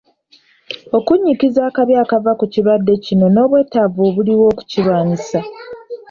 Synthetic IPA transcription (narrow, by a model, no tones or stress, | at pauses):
o̞kuɲːikizaːkaβjaːkavakuciβadːe̞cino̞no̞ːβwe̞ːtavoːβuliwo̞ːku̥cilwaːɲisa